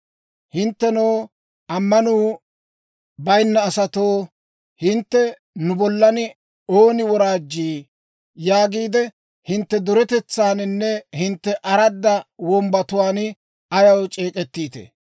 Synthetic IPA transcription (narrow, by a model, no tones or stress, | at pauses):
hɪnt̪ːɛnoː | ɐmːɐnuː | bɐjnːɐːsɐt̪oː | hɪnt̪ːɛ | nʊbɔlːɐnɪ | oːnɪwɔɾaːd͡ʒːiː | jaːɡiːd̪ɛ | hɪnt̪ːɛd̪ʊɾɛt̪ɛt͡sːaːnɪnːɛhɪnt̪ːɛʔɐɾɐd̪ːɐwɔmbɐt̪ʊwaːn | ɐjɐwt͡ʃʼeːkʼɛt̪ːiːt̪ɛ̰